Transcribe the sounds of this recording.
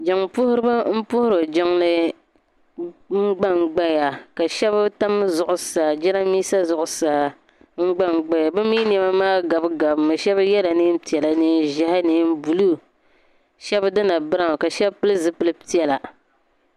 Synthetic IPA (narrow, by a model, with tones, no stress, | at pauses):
d͡ʒa˨ŋpʊ˦hʊ˦ɾɨ˦ba˦m̩˦pʊ˦hʊ˦ɾo˨d͡ʒa˦ŋlɨ˦ | ŋ͡m̩˦ɡ͡ba˦ŋɡ͡ba˦ja˨ka˨ʃɛ˦βa˦ta˦m˦zʊ˨ʔʊ˨sa˨d͡ʒɛ˦ɾa˦miː˦sa˦zʊ˨ʔʊ˨sa˨ | ŋ͡m̩˦ɡ͡ba˦ŋ͡mɡ͡ba˦ja˨bɨ˦miː˦n˨ɛ˨ma˦maː˦ɡa˨bɡa˨bmɨ˨ʃɛ˦ba˦jɛ˦la˨nɨ˦pi˨ɛ˨la˨nɨ˦ʒɪ˦ha˦nɨ˦m˦bu˨lu˦ | ʃɛ˦bdɨ˦na˨bɨ˦ɾa˨ŋ˨ka˨ʃɛ˦bpɨ˦lɨ˦zɨ˦pɨ˦lɨ˦pi˦ɛ˨la˨